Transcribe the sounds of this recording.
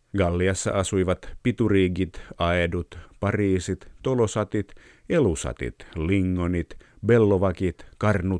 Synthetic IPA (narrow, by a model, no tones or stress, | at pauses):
ɡɑlːiɑsːɑ̰ʔɑsuiʋɑt̪pit̪uriːɡit̪ɑedut̪pɑriːsit̪tolosɑt̪it̪ | elusɑ̰t̪ḭt̪liŋːonit̪ | belːoʋɑkit̪kɑrnut̪